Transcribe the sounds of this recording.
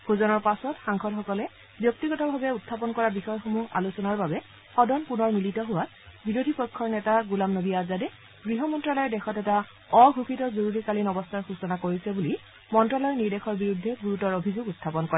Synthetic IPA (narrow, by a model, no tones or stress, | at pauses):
bʰʱuzɔnɔɹpasɔtxaŋxʰɔlxɔkɔlɛ | bjɔk̚tiɡɔtɔbʱabɛutʰːapɔnkɔɹabixɔjɔxomuɦa̰lusɔnaɹbabɛ | xɔdɔnpunɔɹmilitɔɦʊwat̚ | biɹodʱipɔkʰːɔɹnɛtaɡulamnoɡijazadɛ | ɡɹiɦɔmɔntɹalɔjɛdɛxɔtɛta | ɔɡʱukitɔzoɹuɹikalinɔbɔstʰaɹxusɔnakoɹisɛbuli | mɔntɹalɔjɛniɹdexɔɹbiɹudʱːɛɡuɹutɔɹobʱizoɡutʰːapɔnkɔɹɛ